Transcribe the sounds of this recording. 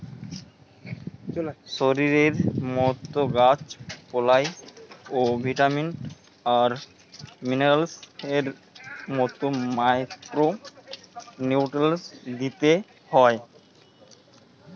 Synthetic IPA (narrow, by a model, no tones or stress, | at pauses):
ʃoɾiɾeɾmɔt̪ːoɡat͡ɕpɔlajobʱiʈamiɳʈ | aɾ | mineɾalseɾ | mɔt̪omajkɾo | niʈelsd̪it̪e | hɔe